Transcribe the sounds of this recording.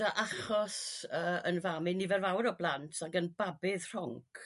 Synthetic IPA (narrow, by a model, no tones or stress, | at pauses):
aʔaχɔsəːənvamɨnivɛrvawɾɔblˠantʰaɡənbabɪðr̥ɔŋkkʰ